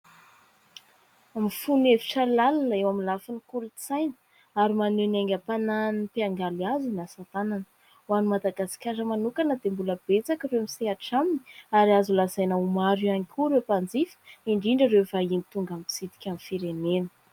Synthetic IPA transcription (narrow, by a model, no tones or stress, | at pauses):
amifuneviʈ͡ʂəlalanəewamilafinikulut͡sajnə̥ | aɾimaneneŋɡʲəpananipiaŋɡaliazinasat̪ananə | wanumad̪aɡasi̥kʲaɾəmanukanəd̪embuləbet͡sakireamiseaʈ͡ʂaminiaɾiazulazajnəumaɾianikʲʰuɾewpand͡zifə̥iɳɖ͡ʐiɳɖ͡ʐəɾewvainit̪uŋɡampi̥sit̪i̥kʲamifiɾenenə̥